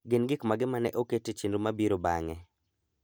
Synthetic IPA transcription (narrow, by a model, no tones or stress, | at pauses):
ɡɪnɡɪkmaɡɪmanɛ̰ʔoketet͡ʃindumabiɾoba̰ŋɛ